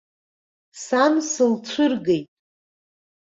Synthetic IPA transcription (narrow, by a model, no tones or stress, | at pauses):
samsɨlt͡ɕʷʰʊrɡe̞jtʼ